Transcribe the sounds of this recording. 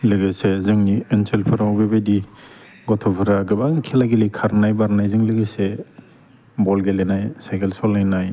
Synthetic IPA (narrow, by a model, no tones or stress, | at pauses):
lɯɡɯsezɯŋniɯnselpʰɯɾawɡɯbejdi | ɡɔtʰɔpʰɯɾaɡɯbaŋkʰelaɡilikʰaɾnajbaɾnajzɯŋlɯɡɯse | bɔlɡelenajsajkʰelsɔlajnaj